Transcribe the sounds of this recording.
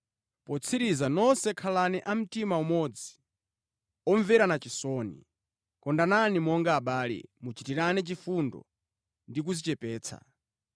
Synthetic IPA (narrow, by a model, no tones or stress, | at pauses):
pɔt͡sʰiɾizanɔsɛkʰalanɛʔam̩timaumɔd͡zi̥ | ɔɱvɛɾanat͡ʃisɔnḭ | kɔndananimɔŋɡaːɓaːlɛ̰mut͡ʃitiɾanɛt͡ʃifundɔ̰ | ndik̬uzit͡ʃɛpɛːt͡sʰa̰